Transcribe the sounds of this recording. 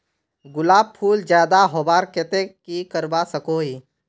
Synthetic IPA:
ɡʊlaːb̚pʰuːld͡ʒjaːd̪aɦoːbaːɾket̪ekikəɾbasəkoːɦiː

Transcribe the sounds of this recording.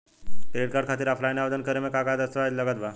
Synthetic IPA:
kɾeʈkaɾɖ̚kʰat̪iːɾafʰlajnaʋəd̪ənkəɾemekakad̪əst̪əʋad͡ʑləɡət̪bʱa

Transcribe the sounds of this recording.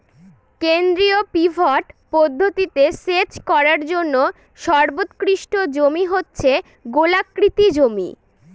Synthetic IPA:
kend̪ɾiopibʱɔʈpod̪ʱːot̪it̪eset͡ɕkɔɾaɾd͡ʑonːo | ʃɔɾbot̪kɾiʃʈod͡ʑomiɦotːɕʰe | ɡolakːɾit̪id͡ʑomḭ

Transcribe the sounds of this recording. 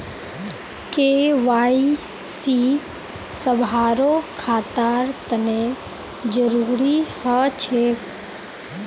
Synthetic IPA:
keʋaːi | si | səbʱaːɾokʰaːt̪aːɾt̪əne | d͡ʒəɾuːɾihət͡ʃʰek

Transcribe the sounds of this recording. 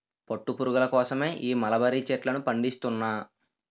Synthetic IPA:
poʈːupuɾuɡɐlɐkɔːsɐme̞ːʔiːmɐlɐbɐɾit͡ʃeːʈlɐnupɐɳɖist̪unːaː

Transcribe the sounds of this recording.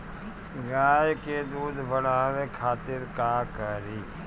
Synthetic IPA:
ɡaːjked̪uːd̪ʱʋəɽaːʋekʰaːt̪ɪɾkaːkəɾiː

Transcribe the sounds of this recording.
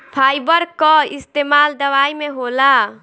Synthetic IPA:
pʰajbəɾkɔist̪emald̪əʋaimeɦola

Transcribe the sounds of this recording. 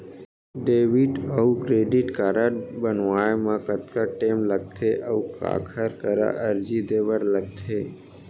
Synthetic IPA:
ɖeːʋiʈəukɾeːɖɪʈkaːɾabənʋaːjmãkət̪kaʈeːmləɡ̚t̪ʰeʔəuka̰ːkʰəɾkəɾa̰ʔəɾd͡ʒid̪eʋəɽləɡ̚t̪ʰe

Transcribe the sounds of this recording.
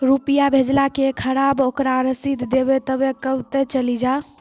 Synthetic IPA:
ɾupijabʱed͡ʒlakekʰəɾabokɾaɾəsit̪d̪ebet̪əbekəbt̪ɛt͡ʃəlid͡ʒa

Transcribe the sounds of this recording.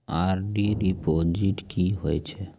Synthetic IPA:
aɾɖiɾipod͡ʒiʈkiɦojt͡ʃʰe

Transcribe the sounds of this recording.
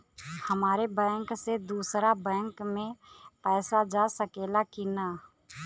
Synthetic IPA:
həmaːɾebɛ̃ːŋksed̪uːsɾabɛ̃ːŋkmẽpɛːsad͡ʒaːsəkeːlakinaː

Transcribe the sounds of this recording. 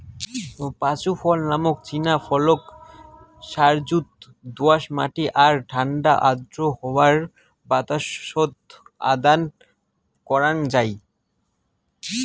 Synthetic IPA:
pat͡ɕufʰɔlnamokt͡ɕinafʰɔlok | ʃaɾd͡ʑut̪ | d̪oaʃma̰ʈiʔaɾʈʰaɳɖaʔad̪ɾohɔwaɾ | bat̪aʃod̪ | a̰d̪an | kɔɾand͡ʑaj

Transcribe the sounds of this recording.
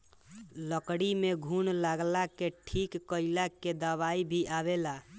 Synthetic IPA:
ləkɽimeɡʱunlaɡlakeʈʰikːəilaked̪əbaibʱiʔaβela

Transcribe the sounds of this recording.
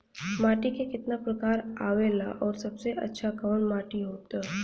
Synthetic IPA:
maːʈikekɪt̪napɾəkaːɾaʋelaʔɔːɾsəbseʔətːʃʰakaʋnmaːʈiɦoːt̪a

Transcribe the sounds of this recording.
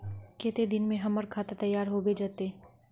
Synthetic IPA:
keːt̪ed̪ɪnmẽɦɐmɐɾkʰaːt̪at̪ɐjːaːɾɦobed͡ʒaːt̪eː

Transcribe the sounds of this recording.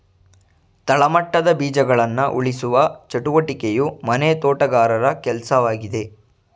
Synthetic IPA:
t̪ɐɭɐmɐʈːɐd̪ɐbiːd͡ʒɐɡɐɭɐnːɐʔuɭisuʋɐt͡ʃɐʈuʋɐʈikejumɐnet̪oːʈɐɡaːɾɐɾɐkɛlsɐʋaːɡid̪e̞

